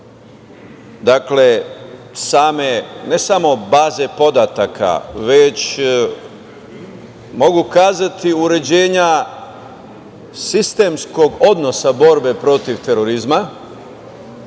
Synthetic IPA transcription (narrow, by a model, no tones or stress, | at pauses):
d̪akle̞ | saːme̞ne̞samo̞baːze̞po̞d̪at̪akʰa̰ʋe̞t͡ɕ | mo̞ɡukaːzat̪iuɾe̞d͡ʑe̞ːɲa | sist̪e̞msko̞ɡo̞d̪no̞sabo̞ɾbe̞pɾo̞t̪iʋt̪e̞ɾo̞ɾizma